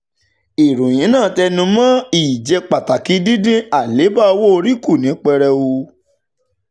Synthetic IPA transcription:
i˨ɾũ˨j̃ĩ˨˦nãː˦˨tɛ˧nũ˧˦mã˦i˨d͡ʒɛ˧k͡pa˨ta˨ki˨˦di˦dĩ˦a˨le˨˦ba˦o˧wo˦o˧ɾi˦ku˦˨nĩ˨˦k͡pɛ˧ɾɛ˧u˧

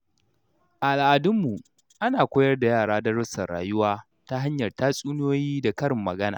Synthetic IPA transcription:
ʔa˨a˨lʔa˨dʊ˦mːu˨ | ʔa˦naː˨kʷoː˦jɐ˦rda˨jaː˦˨ɽaː˦da˦ɽʊ˦sɐ˨rːa̰ː˨jʊ˦waː˦ | ta˦ɦa˦ɲjɐ˨rtaː˦sʼuː˦n˦joː˦jiː˦da˨kɐ˦ɽɪ˨mːɐ̰˨ɡɐ˦na̰ː˨

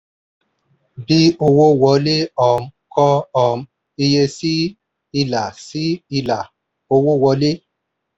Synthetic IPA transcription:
bi˦o˧wo˦˨wɔ˨˧˦le˦ɔ˨m̩˦kʰɔ˦ɔ˨m̩˦ | i˧je˧si˦ | i˧la˨si˦i˧la˨ | o˧wo˦˨wɔ˨˧˦le˦

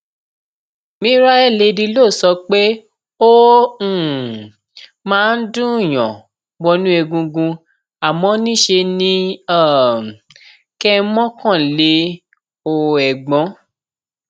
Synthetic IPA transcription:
mĩ˦ɾa˦ɛ˦˨le˧dĩ˧lo˦˨sɔ˧˦k͡pe˦ | õ˦˨ | mãː˦˧˦n̩˦dũ˦˨j̃ɔ̰̃˨ | wɔ˧nũ˦ɛ˧ɡũ˧ɡũ˧ | a˨mɔ̃˧˦nĩ˦ʃe˧nĩ˦a˦˨ | kɛ˦mɔ̃˦kã˦˨le˨˦ | o˧˨ɛ˨ɡ͡bɔ̃˨˦

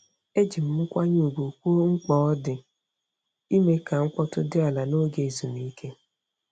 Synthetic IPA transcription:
e˦d͡ʒi˨m̩˨ŋ͡m̩˦kʷa˦ɲo˦˨ɡu˨kʷu˦o˦ŋ̩˦k͡pɔ˦ɔ˦dɪ˨ | i˦me˦ka˨ŋ̩˦kɔ˦tʊ˦dɪ˦a˨la˨no˦ɡe˨zu˨ni˨i˦kʰe˦

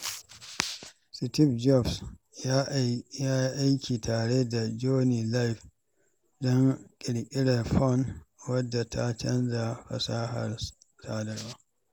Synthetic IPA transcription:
sɪ˨tɪ˦bd͡ʒɔ˦˨bs | jaː˦ʔa˦jkʲʰiː˨taː˨ɽeː˦da˨d͡ʒoː˦niː˨la˦jɸ | dɔ˦ŋkʲʼɪ˨ɽkʲʼɪ˦ɽa˨ɸɔ˦˨nwɐ˦dːa˨tʰa˦t͡ʃɐ˦nza˨ɸɐ̰˨saː˦ha̰˨r | saː˦dɐ˨ɽwaː˦

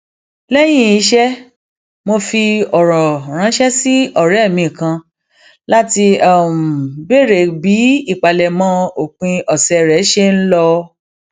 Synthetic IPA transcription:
lɛ˦j̃ĩ˦˨i˧˦ʃɛ˦ | mo˧fi˧ɔ˨ɾɔ̃˨ɾ̃ã˨˦ʃɛ˦si˦ɔ˦˨ɾɛ˨˦˨mĩ˧˨kã˧ | la˦ti˧a˨m˨be˦˨ɾe˨bi˨˦i˦˨k͡pa˨lɛ˨mã˨˦o˨k͡pĩ˧ɔ˨sɛ˧ɾɛ˨˦ʃe˦n̩˦lɔ˧

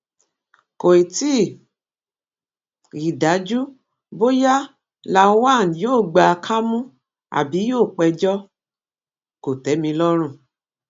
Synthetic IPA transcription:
ko˨i˨ti˦˨ | i˨da˨˦d͡ʒu˦ | bo˦ja˦ | la˧˦wa˦˨n˨joː˦˨ɡ͡ba˧kʰa˦mũ˦ | a̰˨bi˨˦joː˦˨k͡pɛ˧d͡ʒɔ˦ | ko˨tɛ˨˦mĩ˧lɔ˦ɾ̃ũ˦˨

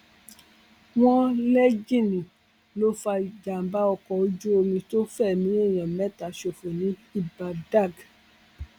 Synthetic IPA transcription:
w̃ɔ̃˦lɛ˦d͡ʒĩ˦˨nĩ˨ | lo˦fa˧˨d͡ʒa˨m̩˨˦ba˦ɔ˧kɔ˨o˨˦d͡ʒo˦o˧mĩ˧to˦fɛ˦˨mĩ˨˦ɛ˦˨j̃ã˨mɛ˦ta˨ʃo˧˨fo˨nĩ˨˦i˦ba˧da˦˨ɡ

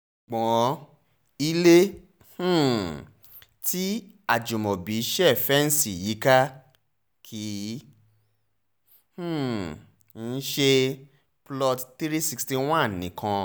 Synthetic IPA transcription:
k͡pɔ̃˨ | i˦lẽ˦˨ | ti˦ | a˦˨d͡ʒo˨mɔ̃˨bi˨˦ʃɛ˦˨fɛ˦n̩˦si˦˨ji˨˦ka˦ | kʰi˨˦ | h̩˦˨ | n̩˦ʃe˧ | plɔ˧tt̪i˦ɾi˦si˧ksti˧w̃ã˦˨nĩ˨kʰã˧

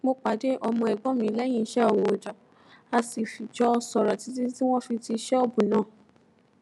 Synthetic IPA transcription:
mo˧k͡pa˨˦de˦ʔɔ˧mɔ̃˧ɛ˨ɡ͡bɔ̃˨˦mĩ˨˦lɛ˦j̃ĩ˦˧˦ʃɛ˦ɔ˦˨wo˨d͡ʒɔ˨ | a˧si˨fi˨d͡ʒɔ˨˦˧sɔ˨ɾɔ˨ti˨˦ti˦ti˦w̃ɔ̃˦fi˧ti˧ʃɛ˦ɔ˧bũ˨nãː˦˨

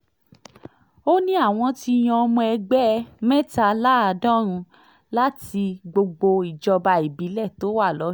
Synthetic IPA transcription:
o˦nĩ˦a˦˨w̃ɔ̃˧ti˧j̃ã˧ɔ˧mũ˧ɛ˧ɡ͡bɛ˦mɛ̃˦ta˧la˦a˧dɔ̃˦ɾ̃ũ˧ | la˦ti˧ɡ͡bo˧ɡ͡bo˧i˨d͡ʒɔ˧ba˧i˨bi˨˦lɛ˦˨to˨˦wa˦˨lɔ˨˦

